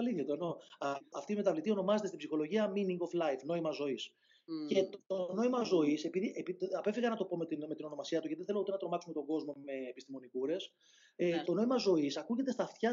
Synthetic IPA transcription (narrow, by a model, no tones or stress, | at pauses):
ɐliθçɐt̪oeno̞ɐft̪iːme̞t̪ɐvlit̪io̞no̞mɐzet̪est̪ibsixo̞lo̞ʝiɐminiŋɡo̞flɐjfno̞imɐzo̞is | ce̞t̪t̪ono̞imɐzo̞ise̞piðiʔepiɐpefiɣɐnɐt̪o̞po̞met̪inme̞t̪ino̞no̞mɐsiɐt̪uceðeθelout̪e̞nɐt̪ɾo̞mɐksume̞t̪o̞ŋɡo̞zmo̞me̞ːpist̪imo̞nikuɾe̞s | et̪o̞no̞imɐzo̞isɐkuʝe̞t̪est̪ɐft̪çɐ